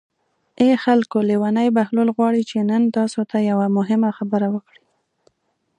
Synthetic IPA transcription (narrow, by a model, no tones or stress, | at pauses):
exalkolewanajbahlolɣwɑɽit͡ʃenənt̪ɑsot̪ajawamʊɦɪmaxabəɾawəkɽi